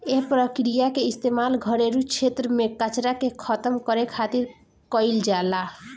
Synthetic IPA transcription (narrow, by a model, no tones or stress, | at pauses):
eɦpɾɔkɾijakeist̪emalɡʱɔɾeɾut͡ʃʰet̪ːɾɔmekat͡ʃɾakekʰɔt̪ɔmkɔɾekʰat̪iɾ | kɔjld͡ʒala